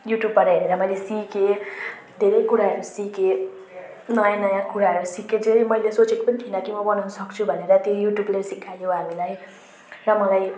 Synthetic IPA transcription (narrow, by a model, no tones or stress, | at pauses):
juʈjubʌɾɦeɾeɾʌmʌjlesike | d̪ʱeɾʌjkuɾaɦʌɾusike | nʌjãnʌjãkuɾaɦʌɾusiked͡zeimʌjlesot͡sekopʌnit̪ʰinʌkimʌbʌnawnʌsʌkt͡sʰubʱʌneɾʌt̪jojuʈjublesikʰajõɦamilaj | rʌmʌlaj